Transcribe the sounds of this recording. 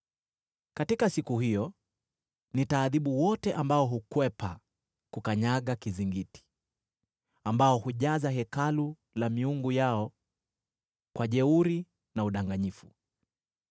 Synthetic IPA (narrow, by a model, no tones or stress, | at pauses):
katikasikuɦijɔ | nitaːðiɓuwɔtɛʔambaɔɦukwɛpa | kukaɲaɠakiziŋɡiti̥ | ambaɔhuʄazaɦɛkalu | lamiuŋɡujaɔ | kwaʄɛuɾi | nauɗaŋɡaɲifu